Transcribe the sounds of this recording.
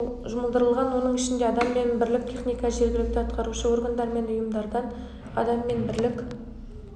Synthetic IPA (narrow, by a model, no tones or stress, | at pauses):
ʒʊməlˠd̪əɾəlˠʁɑnwo̞nəɴɪʃɪnd̪eɑd̪ɑmːe̞nbɪɾlɪk̚t̪ʲʰe̞χnijkɑʒe̞ɾɡʲɪlɪk̚t̪ɪɑt̪qɑɾuʃəwo̞rɡand̪ɑɾme̞nʊjəmd̪ɑɾd̪ɑn | ɑ̰d̪ɑmːe̞nbɪɾlɪkʲ